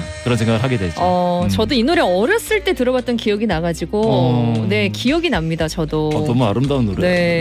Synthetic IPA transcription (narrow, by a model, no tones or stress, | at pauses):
kɯɾʌnsʰeŋɡaɡɯɭɦaɡedwe̞d͡ʑʌt͡ɕʌdoinoɾe̞ʌɾʌs͈ɯɭt͈e̞tɯɾʌbat̚t͈ʌnkijʌɡinaɡad͡ʑiɡone̞kijʌɡinamɲidat͡ɕʌdoʌmua̰ɾɯmdaunːoɾee̞